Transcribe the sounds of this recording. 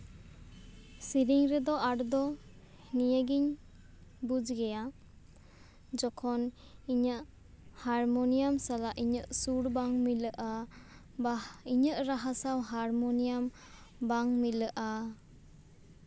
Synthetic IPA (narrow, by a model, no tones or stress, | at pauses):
siɾiŋɾed̪ɔʔaɾd̪ɔ | nijaɡiɲ | bud͡ʒɡeja | d͡ʒɔkʰɔn | iɲə | haɾmɔnijamsalaʔiɲəʔsuɾbaŋmiləʔa | baiɲəʔɾaɦasawɦaɾmɔnijam | baŋmiləʔa